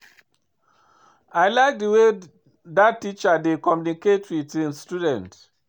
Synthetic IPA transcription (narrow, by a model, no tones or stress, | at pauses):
aɪlaɪk̚dəwe | datːit͡ʃadekɔmjuniketwitʰwĩnstudɛ̃nt